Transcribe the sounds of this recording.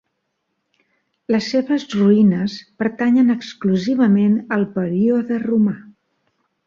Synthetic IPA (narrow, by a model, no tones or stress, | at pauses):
ləsːeβəzruinəspəɾt̪aɲənəkskluziβəmenəlˠpəɾioðəruma